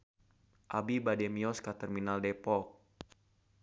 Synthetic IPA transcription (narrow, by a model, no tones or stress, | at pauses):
ʔabibadɛmiɔskat̪ərminaldɛpɔk̚